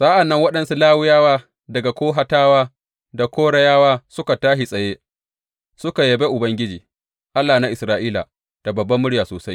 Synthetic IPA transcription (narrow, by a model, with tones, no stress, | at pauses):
sʼaː˦ʔa˨nːɐ˦ŋwɐ˦ɗɐ˨nsu˦laː˦wʊ˦jaː˦waː˦ | dɐ˨ɡa˨kʷoː˦ɦa˦taː˦waː˦ | da˨kʷoː˦ɽɐ˦jaː˦waː˦sʊ˦ka˨taː˦ʃi˨sʼɐ˨jeː˦ | sʊ˦ka˨jɐ˨be˦ʔʊ˨bɐ˦ŋɡʲɪ˦d͡ʒiː˨ | ʔa˦lːaː˨na˦ʔɪ˨sɾaː˦ʔiː˦la̰˨ | d̥a˨bɐ˨bːɐ˦mːʊ˦ɽjaː˨soː˨sa˦j